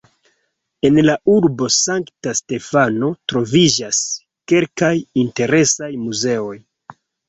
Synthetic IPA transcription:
e̞nlauɾbo̞saŋktaste̞fano̞tɾo̞vid͡ʒas | ke̞lkajinte̞ɾe̞sajmuze̞o̞j

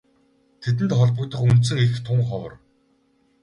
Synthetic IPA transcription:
t̪ʰet̪̬ɘ̆nt̪χɔɮpɞ̆kt̪ə̆χunt̪sɘ̆ŋext̪ʰʊɴχɔwɞ̰̆r

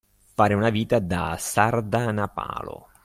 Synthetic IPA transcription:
faːɾeunaviːt̪ad̪a̰sard̪anapa̰ːlo̰

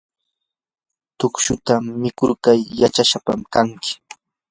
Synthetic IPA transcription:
t̪ʊkʃʊt̪amɪkʊɾkajːat͡ʃaʃapa̰mkaŋkɪ̥

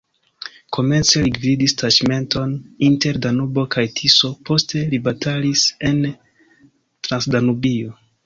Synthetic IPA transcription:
kʰo̞me̞nt͡se̞liɡvidistad͡ʒme̞ntʰo̞ninte̞ɾdanubo̞kʰajtʰiso̞po̞stʰe̞libatalise̞n | tɾansdanubio̞

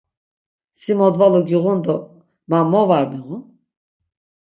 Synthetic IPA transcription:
simɔd̪valuɡiɣund̪ɔ | mamɔvaɾmiʁun

